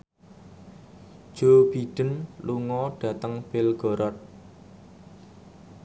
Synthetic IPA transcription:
ʒ̥ob̥iɖ̥ə̤nluŋɔɖ̥ä̤t̪əŋb̥ɪlɡ̥ɔ̤ɾɔt̪̚

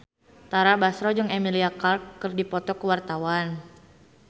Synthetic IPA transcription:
t̪aɾabasɾɔd͡ʒɨŋemiliakarkːərdipɔt̪ɔkəwart̪awan

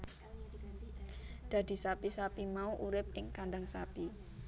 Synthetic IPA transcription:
d̪̥a̤d̪̥i̤sapisapimauʔuɾɪp̚ɪŋkanɖ̪aŋsapi

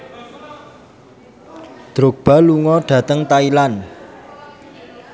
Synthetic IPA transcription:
d̪̥ɾok̚b̥a̤luŋɔɖ̥ä̤t̪əŋt̪ailan

